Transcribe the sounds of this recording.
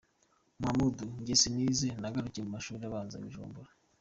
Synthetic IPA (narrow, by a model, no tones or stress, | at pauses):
mamuduɲɟesiniːzenaɡaɾuciemumaʃuːɾiaβaːnza̰βḭʒṵːmbuɾa